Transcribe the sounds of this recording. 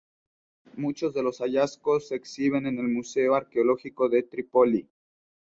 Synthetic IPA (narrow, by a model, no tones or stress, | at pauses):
mut͡ʃo̞zðe̞lo̞saʝasko̞sːeksiβe̞ne̞ne̞lmuse̞oaɾkeolo̞xiko̞ðe̞t̪ɾipoli